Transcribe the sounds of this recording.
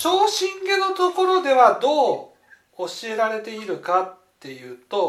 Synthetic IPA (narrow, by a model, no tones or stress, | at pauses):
ɕo̞ːɕĩŋɡe̞no̞t̪o̞ko̞ɾo̞d̪e̞βad̪o̞ː | oɕie̞ɾaɾe̞t̪e̞iɾɯ̟kat̪ːe̞jɯ̟ːt̪o̞